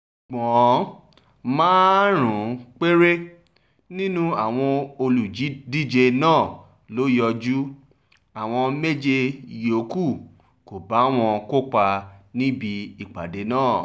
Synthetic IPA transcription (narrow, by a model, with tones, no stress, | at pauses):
ɡ͡bɔ̃˨˦ | mãː˦ɾ̃ũ˨k͡pe˦ɾe˦ | nĩ˦nũ˦a˨w̃ɔ̃˧o˧lu˨d͡ʒi˨˦di˦d͡ʒe˧nãː˦˨ | lo˨˦jɔ˧d͡ʒu˦ | a˨w̃ɔ̃˧me˦d͡ʒe˧˨jo˨˦ku˦˨ | ko˨ba˨˦w̃ɔ̃˧ko˦k͡pa˧nĩ˦bi˧i˨k͡pa˨de˨˦nãː˦˨